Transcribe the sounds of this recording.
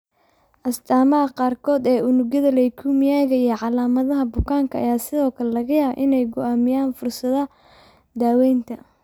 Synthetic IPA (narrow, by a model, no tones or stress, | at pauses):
ʔɐst̪ʰaːmɐɦɐqɑːrkʰɔːd̪ɛːʊnʊɡjɐðɐlɛjkʰuːmɪjaːɣɐijɔʕɑlaːmɐðɐɦɐbʊkʰaːŋkʰɐ̰ːjaːsɪðɔːkʰɐlɛlɐɣɐjaːʔɪnɛjɡʊaːmɪjaːnfʊrsɐðɐ | d̪aːwɛjnt̪ʰɐ